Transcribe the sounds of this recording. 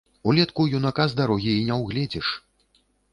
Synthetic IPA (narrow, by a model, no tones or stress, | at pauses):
ulʲɛt̪kujunakazd̪aɾɔɣʲiːnʲɛwɣlʲɛd͡zʲɛʂ